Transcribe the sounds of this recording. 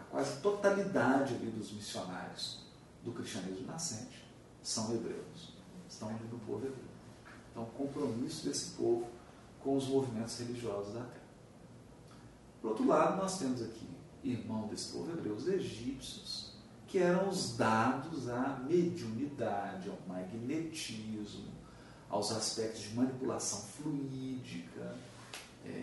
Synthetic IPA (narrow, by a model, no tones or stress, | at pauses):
akwa̰zɪɐt̪ot̪alid̪ad͡ʒɪalid̪ʊzmisiona̰ɾjʊs | d̪ʊkɾist͡ʃiɐ̃nizmʊnasẽt͡ʃɪ̥ | sɐ̃w̃ebɾḛws | ɪst̪ɐ̃w̃ɐlinʊpo̰vʊebɾḛw | ẽnt̪ɐ̃w̃ʊkõpɾomisʊd̪esɪ̥povʊ | kõw̃ʊzmovimẽnt̪ʊz̥heliʒiɔzʊzd̪at̪ɛɾɐ | pʊɾowt̪ɾʊlad̪ʊnɔst̪ẽmʊzakʰḭ | ihmɐ̃w̃zd̪esɪ̥po̰vʊebɾʔɛwʊzeʒipsjʊs | kɪɛɾɐ̃w̃ʊzd̪ad̪ʊzɐmed͡ʒiunid̪ad͡ʒɪawmaɡnet͡ʃizmʊ̰ | a̰wzaspɛk̚t̪ʊzd͡ʒɪmɐ̃nipula̰sɐ̃w̃fluid͡ʒikʰɐ | ɛ̰